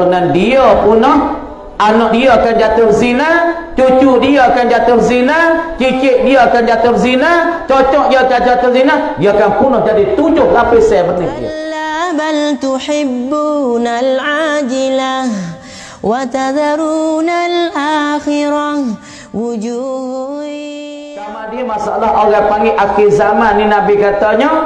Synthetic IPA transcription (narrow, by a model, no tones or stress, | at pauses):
nandiɔpunɔh | ʔanɔʔdiɔakand͡ʒat̪ʊrzinat͡ʃut͡ʃudijɔakand͡ʒat̪ʊrzinat͡ʃit͡ʃɪʔ̚dioakand͡ʒat̪ʊrzinat͡ʃɔt͡ʃɔʔdiɔd͡ʒad͡ʒat̪ʊɾzinadioakanpunɔhd͡ʒadit̪ud͡ʒʊhlapɪsɛmənɪḭlabalt̪ʊħɪbːunalʕad͡ʒɪla | wat̪ad̪aɾunalʔaxɪɾa | wud͡ʒu | samadiamasaʔalːahʔoɣaŋpaŋɡɪʔakɪzamanːinabikat̪aɲɔ